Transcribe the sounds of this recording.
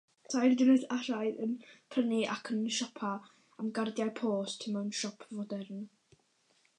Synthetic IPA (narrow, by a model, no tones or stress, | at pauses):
tʰajrdɪnɛðaɾ̥ajðənpʰrəniʔakʰənʃɔpʰa | amɡardjajpʰoːstʰɪmanʃɔpʰvɔdɛrn